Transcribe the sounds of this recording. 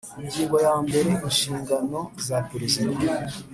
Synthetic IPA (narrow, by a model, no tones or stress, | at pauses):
iɲɟiːŋɡo̞jaːmbe̞ɾe̞inʃiːŋɡano̞zapiɾisid̪a